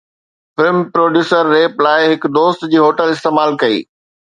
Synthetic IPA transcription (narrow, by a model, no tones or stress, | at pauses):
fɪlmpɾoːɖjuːsəɾːeːplaːɪɦɪkd̪oːst̪d͡ʑiːɦoːʈəlɪst̪eːmaːlkɐḭː